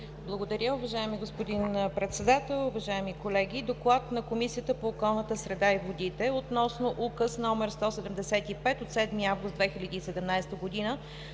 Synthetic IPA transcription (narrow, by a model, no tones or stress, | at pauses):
blˠəɡod̪ɐɾʲəʊvɐʒaɛmiɡospod̪inpɾɛt̪sɛd̪at̪ɛlˠʊvɐʒaɛmikolɛɡid̪oklˠat̪nɐkomisijət̪əpoːkɔlˠnət̪əsɾɛd̪aivod̪it̪ɛot̪nɔsnoʔukəsnɔmɛɾst̪ɔsɛd̪ɛmd̪ɛsɛt̪ipɛt̪ot̪sɛd̪miavɡʊst̪d̪vɛxilʲəd̪iːsɛd̪ɛmnajst̪əɡod̪inə